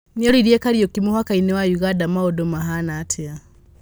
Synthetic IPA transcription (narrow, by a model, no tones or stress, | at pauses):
nɔɾiɾjekaɾjɔkimuhwakainɛwajuɣadamaɔdɔmaɦanatʰea